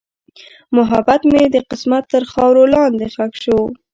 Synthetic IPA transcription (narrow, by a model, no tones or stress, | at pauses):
mʊɦabat̪med̪əqɪsmat̪ːəɾxɑwɾolɑnd̪exakʃo